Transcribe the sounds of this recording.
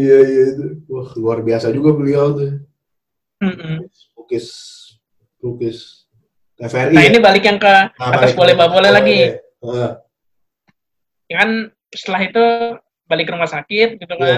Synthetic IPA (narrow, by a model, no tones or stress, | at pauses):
ijaijait̪uwahluarbiasad͡ʒuɡabəlialt̪ɛ | m̩ʔm̩ | ukɪs | ɾukɪs | efaɛriainibalɪkjaŋkəat̪asbolɛhbabolɛhlaɡi | kan | ist̪əlaɦit̪u | balɪkːɾumasakɪt̪̚ɡit̪uka